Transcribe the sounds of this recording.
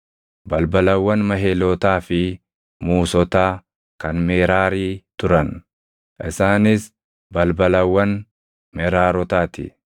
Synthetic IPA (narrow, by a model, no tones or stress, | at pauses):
bɐlbɐlɐwːɐnmɐɦeːlɔt̪aːfɪ | muːsɔt̪aː | kɐnmeːɾaːɾiːt̪ʊɾɐn | ʔɪsaːnɪs | bɐlbɐlɐwːɐn | mɛɾaːɾɔt̪aːt̪ɪ̰